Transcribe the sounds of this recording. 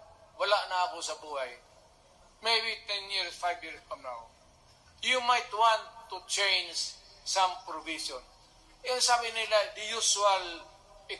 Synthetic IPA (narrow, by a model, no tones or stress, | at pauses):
wɐlaʔnaːkosɐbuːhaj | mejbit̪ɛnjiɹsfajvjiɹskamnaw | jumajt̪wãnt̪ːut͡ʃejnssampɾʊviʃɔn | ɛansabɪnɪlad̪ɪjusual | ɪ